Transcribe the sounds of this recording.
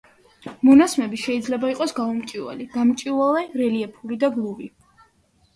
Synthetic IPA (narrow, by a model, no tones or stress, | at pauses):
mɔnasmɛbiʃɛid̪zlɛbaiqʼɔsɡaumt͡ʃʼiva̰lid̪amt͡ʃʼivalɛɾɛliɛpʰulid̪aɡlˠuvi